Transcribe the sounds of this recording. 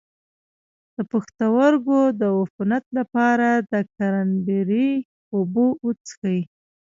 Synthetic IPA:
d̪̥əpaxt̪awaɾɡod̪əafunat̪lapɑɾad̪əkaɾanbeɾi | ubout͡sxaji

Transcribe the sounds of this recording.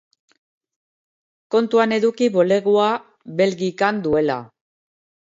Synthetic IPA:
ko̞nt̪uane̞ðukiβo̞le̞ɣua | βe̞lɣikand̪ue̞la̰

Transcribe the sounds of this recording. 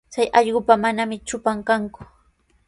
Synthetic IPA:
t͡sajʔɑʎɢʊpamanamɪt͡ʃʊpaŋkaŋkʊ̥

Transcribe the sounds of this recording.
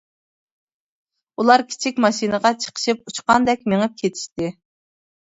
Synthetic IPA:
ulˠɑɾkʲʰi̥t͡ʃʰikʲmɑʃinəʁɑt͡ʃʰə̥qʰə̥ʃɨput͡ʃqɑnd̪ɛkʲmeŋɨp̚kʲʰet̪ʰi̥ʃt̪ɪ

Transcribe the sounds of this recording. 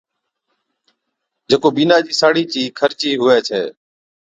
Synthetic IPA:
d͡ʒeːkoːbiːnaːd͡ʒiːsaːɽiːt͡ʃiːkʰəɾt͡ʃiːɦʊʋeːt͡ʃʰḛː

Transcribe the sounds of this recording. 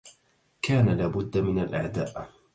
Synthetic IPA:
kaːnalaːbʊd̪ːamɪnalʔa̰ʕd̪aːʔ

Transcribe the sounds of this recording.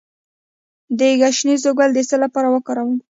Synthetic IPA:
d̪əɡaʃnizoɡald̪əsəlapɑɾawəkɑɾawəm

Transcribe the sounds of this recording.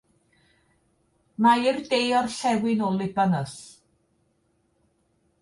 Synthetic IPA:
maɪrdejɔrɬɛwɪnɔlˠɪbanəs

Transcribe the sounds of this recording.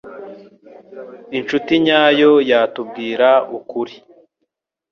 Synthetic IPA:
int͡ʃutiɲaːjo̞jaːtubɡiːɾaukuɾi

